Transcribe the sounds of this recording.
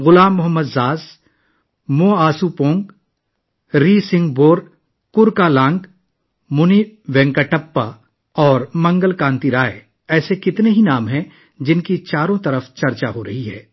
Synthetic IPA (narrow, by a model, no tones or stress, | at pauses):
ɣʊlaːmːʊɦəmːəd̪zaːz | mõːaːsupõːŋɡ | ɾiːsɪ̃ŋɡboːɾ | kʊɾkalãːŋɡ | mʊniʋɛ̃ːŋkaʈɐpːa | ɔːɾmɐ̃ŋɡəlkãːnt̪iɾaːe | ɛːsekɪt̪neɦinaːmɦɛ̃ | d͡ʒɪnkit͡ʃaːɾõt̪ɐɾəft͡ʃɐɾt͡ʃaɦoɾɐɦiɦɛ̰ː